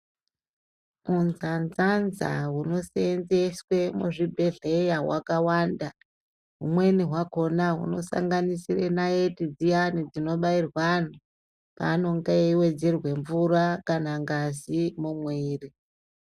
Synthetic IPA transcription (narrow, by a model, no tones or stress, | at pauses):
munzanzanza̰ɦuno̞send͡zeswe̞muʐibʱe̞ɮe̞jawa̰kawaːnda | ɦumwe̞niɦwako̞naɦṵno̞sa̰ŋɡanisirenaetid͡zijanid͡zino̞ɓairwano | pa̰ːno̞ŋɡajeiwe̞d͡ze̞rwe̞ɱvurakanaŋɡazimumwiːri